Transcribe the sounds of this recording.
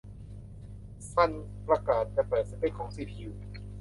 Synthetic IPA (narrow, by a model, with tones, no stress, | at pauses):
sa˧˥˩npɾa˧kaː˨˩t̪̚t͡ɕa˧˩pɤː˨˩t̪̚sa˧˦pe˧˥˩kʰɔː˩˦ŋsiː˧˩pʰi˧˩